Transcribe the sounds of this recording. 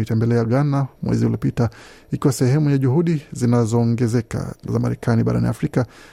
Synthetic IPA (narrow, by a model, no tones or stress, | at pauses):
itɛmbɛlɛaɠanamwʔɛ̰ziuliɔpitaikiwasɛhɛmujaʄuhuɗizinazɔːŋɡɛzɛka̰za̰ma̰ɾɛkʰaniɓaɾanḭafɾika